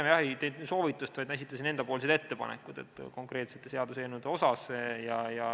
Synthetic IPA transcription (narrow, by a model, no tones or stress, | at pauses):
emjɑhejt̪ejd̪so̞ːvit̪ːˑust̪vɑjd̪nesit̪ːˑɑsine̞nd̪̥ɑpoːlised̪e̞t̪ːe̞pɑ̰nḛkːˑud̪̥e̞̰t̪ːˑko̞ŋkre̞ːt̪set̪ːe̞se̞ɑd̪useːnud̪eo̞sɑsjɑjɑ